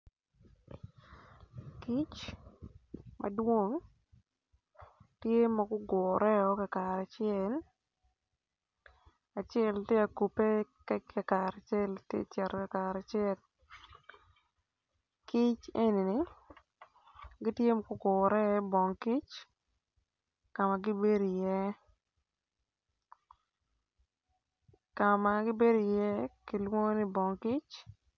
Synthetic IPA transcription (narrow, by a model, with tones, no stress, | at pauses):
ki˦t͡ʃ | mɐ̰˨dwo˦ŋ | tje˦ma˨ɡʊ˦ɡʊ˨ɾɛ˦ɔ˦kɛ˨ka˨ɾa˨t͡ʃɪɛl | a˨t͡ʃɛ˦lte˦a˨ku˨pe˦kɛ˦ɛ˨ka˨ɾa˨t͡ʃɛ˦ltjḛ˦t͡ʃɛ˨ɾkɛ˨kaɾa˨t͡ʃɛ˦l | kɪ˦t͡ʃe˦ni˨nɪ˨˦ | ɡɪ˦tje˦m˦ko˨kʊ˨ɾɛ˦bɔ˨ŋki˦t͡ʃ | ka˨ma˨ɡɪ˦be˦ɾo˨jɛ˦ | kama˨ɡɪ˦be˦do˨jɛ˦ki˦lwo˦ŋ˦nɪ˦bɔ˨ŋki˦t͡ʃ